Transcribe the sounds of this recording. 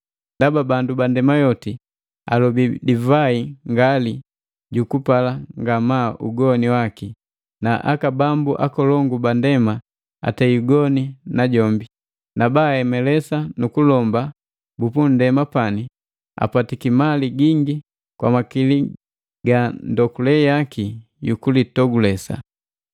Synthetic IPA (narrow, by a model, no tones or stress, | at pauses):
ndababandubandɛmajɔti | a̰lɔbidivaiŋɡali | ɟukupalaŋɡamauɡɔniwaki | naʔa̰kabambuʔakɔlɔŋɡubandɛma | a̰tɛiuɡɔninaɟɔmbi | nabaɛmɛlɛsanukulɔmba | bupundɛmapani | a̰patikimaliɡiŋɡi | kwamakili | ɡandɔkulɛjaki | jukulitɔɡulɛsa̰